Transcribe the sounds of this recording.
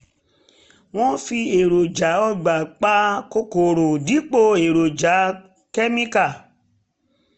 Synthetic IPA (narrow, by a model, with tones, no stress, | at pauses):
w̃ɔ̃˦fi˧e˨ɾo˨d͡ʒa˨˦ɔ˧ɡ͡ba˨k͡pa˦ko˧ko˨ɾo˨di˨˦k͡po˧e˨ɾo˨d͡ʒa˨˦ | ke˦mĩ˦ka˦˨